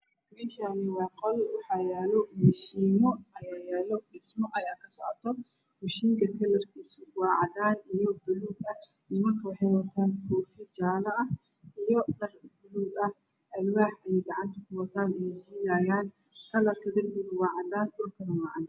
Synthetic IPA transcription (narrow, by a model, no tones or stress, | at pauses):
biʃanɪwɑːqɔlwɑħɑjaːlɔmɪʃiːmɔɐjaːjaːlɔbɛsmɔʔɐjaːkʰɐsɔʕɔt̪ʰːɔ | wʊʃiːŋkʰɐkʰɐlɐrkʰiːsʊwɑːʕɑd̪aːnijɔbʊluɡɐ | ɪmɐrkʰɐwɑħɛjwɐt̪ʰaːnkʰuːfɪd͡ʒaːlɐʔɐ | ijɔnɐrbʊluːɡɐh | ʔɐlwaːħʔɛjɡɑʕɑnt̪ʰɐkʊwɐt̪ʰaːd̪ɪjɛjhɪlaːjaːn | kʰɐlɐrkʰɐd̪ɪrmɪd̪ʊwɑːʕɑd̪aːnɔkʰɐnɐwɑːʕɑd